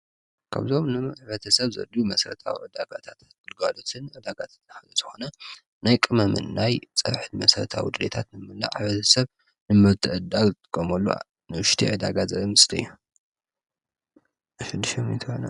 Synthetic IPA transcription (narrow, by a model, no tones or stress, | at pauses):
kʰa̰βzo̞mnɨħβɐt̪ʰɐsɐβzɐ̰d̪umɐsɾɐt̪ʰa̰wḭʕɨd̪aɡat̪ʰat̪ | ɡɨlɡalot̪ʰɨnʕɨd̪aɡat̪ʰat̪ħazozɨxo̞nɐ | najkʼɨmɐmɨ̰nːajt͡sʼɐβħɨnmɐsɐɾɐt̪ʰa̰wid̪ɨlet̪ʰat̪nɨmɨlːa̰ʕβɐt̪ʰɐsɐβ | nɨmɨɾt̪ʰɨʔɨd̪alɨt̪ʰʼɨ̥kʼːomɐlːṵ | nɨwɨʃt̪ʰḭʕɨd̪aɡazɐβimɨst̪ʰɐjːu | ʃɨd̪ɨʃɐmit̪ʰɨxona